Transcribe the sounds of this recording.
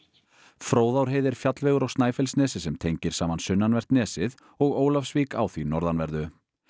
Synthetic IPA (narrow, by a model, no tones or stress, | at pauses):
fɾoːwðawɾ̥ɦeːjðɪɾ̥fjat̪lvɛːɣʏɾawst̪naːjfɛlsnɛːsɪsɛmt̪ʰejɲcɪɾ̥saːmansʏnːanvɛr̥t̪nɛːsɪð | ɔɣoːwlafsviːka̰wθinɔɾðanvɛɾðʏ